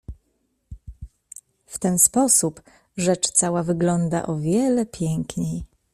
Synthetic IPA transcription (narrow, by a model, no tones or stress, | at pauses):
ft̪ɛnspɔsup | ʐɛt͡ʂt̪sawavɘɡlɔnd̪a̰ʔɔvʲjɛlɛpʲjɛŋkɲej